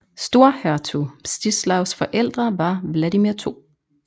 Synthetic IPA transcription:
sd̥o̝ɐhæɐt͡sʰusd̥islɑʊsfɒ̽ʔel̰d̥ʁɐʋɑ̈ʋlædimiɐt͡sʰo̝̰ː

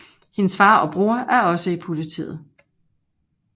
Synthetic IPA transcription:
he̝nəsfɑ̈ːɒ̽b̥ʁuːɐæɐɒ̽səipʰo̝lit͡sʰḭːð̞̩ˠ

